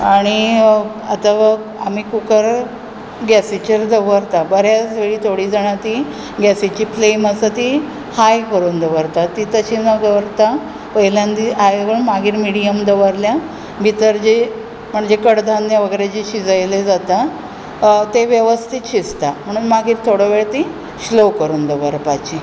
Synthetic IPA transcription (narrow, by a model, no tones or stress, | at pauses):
aɽ̃i | a̰t̪aʋa | amikukəɾ | ɡæsit͡ɕəɾd̪əʋəɾt̪abəɾjasʋeɭiːt̪ʰoɽiːd͡zaɽ̃at̪i | ɡæsit͡ɕiːpleməsət̪i | hajkəɾuːnd̪əʋəɾt̪at̪ːit̪əɕinəɡəʋəɾt̪a | pəɦiljand̪iʔajɡəɳmaɡʱiːɾmiɽijəmd̪əʋəɾlja | bʱit̪əɾd͡ʑi | m̤əɳd͡zekəɽd̪ʱand̪jaʋəɡəɾed͡ʑiɕid͡zəjled͡zat̪a | t̪eʋjəʋəst̪ʰit̪ɕist̪am̤əɽ̃uːnmaɡiːɾt̪ʰoɽəʋeɭt̪i | ɕlokəɾuːnd̪əʋəɾpat͡ɕi